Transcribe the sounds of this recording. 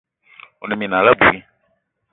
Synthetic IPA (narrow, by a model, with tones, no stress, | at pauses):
o˨nɛ˨mi˨na˨la˦bu˨i˦